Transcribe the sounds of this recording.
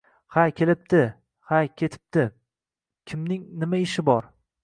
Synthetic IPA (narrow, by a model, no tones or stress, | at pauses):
hajkʲʰelɪp̚t̪ɪ | hajkʲʰe̞t̪ʰɪ̥p̚t̪ɪ | kʲʰɪmnɪŋnɪmaɪʃɪbɒɾ